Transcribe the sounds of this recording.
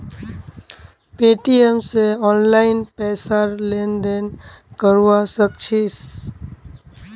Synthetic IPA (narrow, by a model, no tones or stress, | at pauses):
peːʈiemseɔːnlaːɪnpɛːsaɾlend̪eːnkəɾuʋasək̚t͡ʃʰis